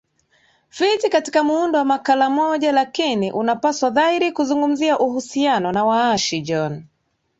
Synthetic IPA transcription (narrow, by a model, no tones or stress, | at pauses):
fitikati̥kamuundɔwamakalamɔʄalakiniʔunapaswaðaiɾikuzuŋɡum̩ziaʔuhusianɔnawaaʃid͡ʒɔn